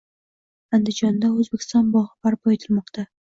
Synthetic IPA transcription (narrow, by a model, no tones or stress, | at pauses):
and̪ɪd͡ʒɒnd̪aɵzbekʲʰɪ̥st̪ɒnbɒʁɨbaɾpɒet̪ʰɪlmɒqt̪ʰa